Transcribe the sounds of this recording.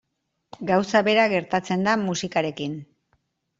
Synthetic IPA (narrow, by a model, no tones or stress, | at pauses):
ɡawsaβe̞ɾaɣe̞ɾt̪at͡se̞nd̪amusikaɾe̞kin